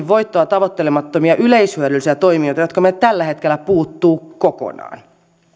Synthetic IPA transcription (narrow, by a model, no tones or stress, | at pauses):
ʋʋo̞jt̪ːoɑt̪ɑʋot̪ːelemɑt̪ːomiɑʔyleishyøɾylsiæt̪o̞imiojt̪ɑjot̪kɑmet̪ælːæhet̪k̟elːˑæpuːt̪ːuːkoko̰nɑ̰ːn